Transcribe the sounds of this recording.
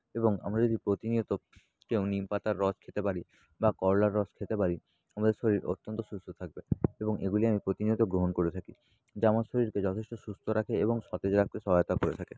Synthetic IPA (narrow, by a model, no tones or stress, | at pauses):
eboŋa̰mɾad͡ʑod̪ipɾot̪iniot̪o | kewnimpat̪aɾːɔt͡ɕkʰet̪epaɾi | bakɔɾlaɾːɔskʰet̪epaɾi | amad̪eɾʃoɾiɾo̰t̪ːont̪oʃust̪ʰot̪ʰak̚beeboŋeɡuliamipɾot̪iniot̪oɡɾoɦonkoɾet̪ʰaki | d͡ʑamanʃoɾiɾked͡ʑɔt̪ʰeʃʈoʃust̪ʰoɾakʰeeboŋʃɔt̪ed͡ʑɾak̚t̪eʃɔɦajot̪akoɾet̪ʰake